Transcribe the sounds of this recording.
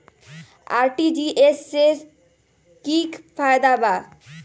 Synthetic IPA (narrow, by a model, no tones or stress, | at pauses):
a̰ɾʈid͡ʑiʔeseɾ | kikfʰajd̪aba